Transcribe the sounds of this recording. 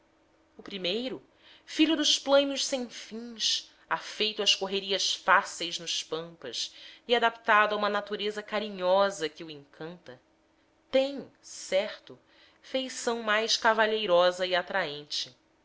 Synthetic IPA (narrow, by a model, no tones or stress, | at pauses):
ʊpɾimejɾʊ | fiʎʊd̪ʊʃplɐ̃ɲʊʃsẽj̃fĩɲs | afejt̪ʊɐʃkoɦeɾiɐʃfasejznʊʃpɐ̃mpɐ̰siad̪apt̪ad̪ʊaũmɐnat̪uɾezɐkaɾĩɲɔzɐkɪuẽŋkʰɐ̃nt̪ɐ | t̪ẽj̃sɛχt̪ʊ | fejsɐ̃w̃majʃkavaʎejɾɔzɐiat̪ɾaẽnt͡ʃɪ